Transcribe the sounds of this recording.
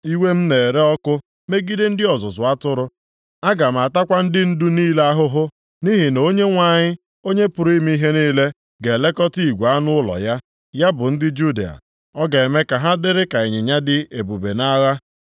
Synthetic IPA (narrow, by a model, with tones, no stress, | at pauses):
i˦we˦m̩˦ne˨ɾe˦ɔ˦kʊ˦ | me˦ɡi˦de˦n̩˦dɪ˦ɔ˨zʊ˨sʊ˨a˦tʊ˦ɾʊ˦ | a˦ɡa˨m̩˨a˨ta˦kʷa˦n̩˦dɪ˦n̩˦du˦niː˦le˦a˦ɦʊ˦ɦʊ˦ | ni˦ɦɪ˨no˦ɲe˦ŋʷa˨ɲɪ˦ | o˦ɲe˦pʊ˨ɾi˦m˦i˦ɦe˦niː˦le˦ | ɡe˨le˦kɔ˦ti˦i˨ɡʷa˦nʊ˦ʊ˦lɔ̰˨ja˦ | ja˦bʊ˨n̩˦dɪ˦d͡ʒu˦dḛ˨a̰˨ | ɔ˦ɡe˨me˦ka˨ɦa˦dɪ˦ɾɪ˦ka˨e˨ɲɪ˨ɲa˦dɪ˦e˨bu˨be˨na˦ɣa˦